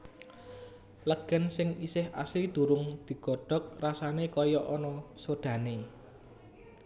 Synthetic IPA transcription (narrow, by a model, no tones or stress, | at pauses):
ləɡ̥ə̤nsɪŋisɪha̰slid̪̥ṳɾʊŋd̪̥i̤ɡ̥ɔ̤ɖ̥ɔ̤k̚rasanekɔjɔʔɔnɔsoɖ̪̥ä̤ne